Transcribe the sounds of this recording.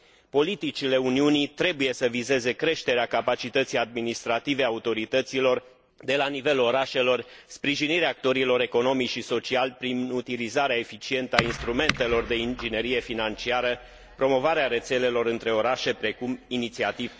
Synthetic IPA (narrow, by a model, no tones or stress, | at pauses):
po̞lit̪it͡ʃile̞uniunit̪ɾe̞buje̞səvize̞ze̞kɾe̞ʃt̪e̞ɾeakapat͡ʃit̪ət̪sijad̪̚minist̪ɾat̪ive̞aut̪o̞ɾit̪ət̪silo̞r | d̪e̞lanive̞lo̞ɾaʃe̞lo̞r | spɾiʒiniɾeaːk̚t̪o̞ɾilo̞ɾe̞ko̞no̞mit͡ʃʃiso̞t͡ʃialʲpɾinut̪ilizaɾeae̞fit͡ʃie̞nt̪əainst̪ɾume̞nt̪e̞lo̞rd̪e̞ind͡ʒine̞ɾije̞finant͡ʃiaɾə | pɾo̞mo̞vaɾeaɾe̞t̪se̞le̞lo̞ɾɨnt̪ɾe̞o̞ɾaʃe̞pɾe̞kuminit̪siat̪iv